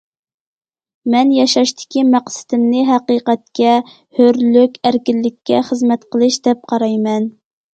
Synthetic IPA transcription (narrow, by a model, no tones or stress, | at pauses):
mɛnjɑʃɑʃt̪ʰɪ̥kʲimæqsɪ̥d̪ɪmnɪɦæqiqɛt̪̚kʲɛ | høɾlykʲæɾkʲɪlːɪkʲʰːɛχəzmɛt̪qʰəlˠɨʃd̪ɛp̚qʰɑɾɑjmɛn